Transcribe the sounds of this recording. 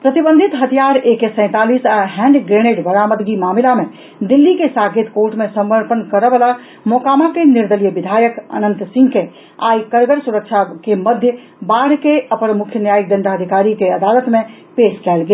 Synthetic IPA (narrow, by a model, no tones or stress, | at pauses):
pɾət̪ibə̃nd̪ʱit̪ɦət̪ʰijaɾekesə̃ɪ̃t̪alisaɦɛ̃ɳɖɡɾeñeɖbəɾaməd̪ɡimamilame | d̪ilːikesaɡit̪koɾʈmesəmːəɾpənkəɾəbəla | mokamakeniɾd̪əlijəbid̪ʱajəkə̰nənt̪sĩŋɡke | a̰jkəɾɡəɾsuɾəkt͡ʃʰakeməd̪ʱjə | baɽ̤keəpənmukʰjənjajək̚d̪ənd̪aəd̪ʱikaɾikeəd̪alət̪me | peskɛlɡe